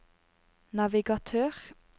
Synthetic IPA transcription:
nɑʋɪɡɑt̪ʰøːʁ

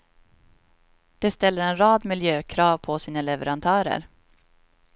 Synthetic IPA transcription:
d̪̥ɛst̪ɛlːəɾɛnɾɑːd̪mɪljøːkʰɾɑːvpʰɔsiːnalɛvə̰ɾant̪ʰœːɾə̰ɾ

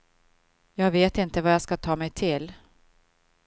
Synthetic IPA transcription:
jɑːɡveːt̪ɪnt̪əvajaːskat̪ʰɑːmɛjt̪ʰɪl

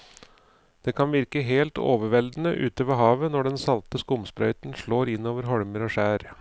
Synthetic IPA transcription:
d̪̥eːkʰɑnʋɪɾkəɦeːlt̪ʰo̰ːʋəɾʋɛld̪n̩əʔʉ̰ːt̪əʋeːɦɑːʋənɔɖɛnsɑlt̪əskʊmspɾœʏt̪n̩ʂɭoːɾɪnːoːʋəɾɦɔɽməɾoːʂæːɾ

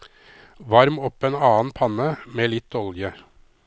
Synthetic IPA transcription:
ʋɑɾmɔpːɛːnɑːnpʰɑnəmeːlɪt̪ːɔljə

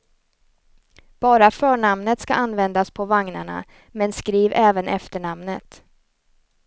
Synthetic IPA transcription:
b̥ɑːɾafœːɳamnət̪ska̰ʔanvɛnd̪aspʰɔvaŋna̰ɳa̰ | mɛnskɾiːvɛːvənʔɛ̰ft̪əɳamnət̪

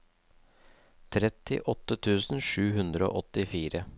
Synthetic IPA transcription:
t̪ʰɾɛt̪ɪ̰ʔɔt̪ːət̪ʰʉːsn̩ʂʉːhʉnd̪ɾəo̰ːʔɔt̪ɪfiːɾə

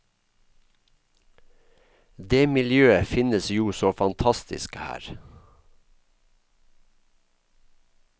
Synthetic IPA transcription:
d̪eːmɪljøːəfɪnəsjuːsoːfɑnt̪ʰɑst̪ɪ̰skhæ̰ːɾ

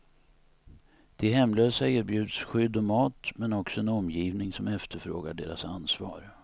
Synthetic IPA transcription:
d̪̥ɛɦɛmːløːsaɪːɾbjʉ̟ːd̪sɧʏd̪ːɔmɑːt̪mɛnɔksɔɛnɔmjiːvnɪŋsɔmɛft̪əɾfɾo̰ːɡa̰ɖḛːɾa̰sansvɑ̰ːɾ

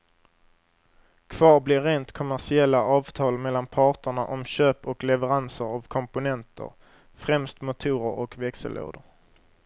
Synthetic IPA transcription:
kʰv̥ɑːɾblɪɾːeːnt̪kʰʊmæʂɪɛlːaʔɑːvt̪ʰɑːlmɛlːanpʰɑːʈəɳaʔɔmɕøːpɔklɛvəɾansəɾavkʰɔmpʊnɛnt̪ʰə̰ɾ | fɾɛmst̪mʊt̪ʰuːɾəɾɔkvɛksə̰lʔo̰ːd̪əɾ

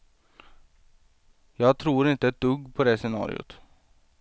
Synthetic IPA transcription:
jɑːɡt̪ʰɾuːɾɪnt̪əɛt̪d̪ɵɡːpʰɔd̪ɛsɛnɑ̰ːɾɪ̰ʊ̰t̪

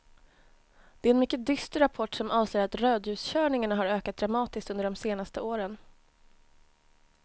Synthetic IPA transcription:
d̪̥ɛɾɛnmʏkːəd̪ʏst̪ɾapʰɔʈːsɔmʔɑːnseːɾat̪ɾøːd̪jʉ̟ːsɕœːɳɪŋaɳaɦaɾøːkat̪̚d̪ɾamɑːt̪ɪskt̪ɵnd̪əɖɔmseːnast̪əoːɾən

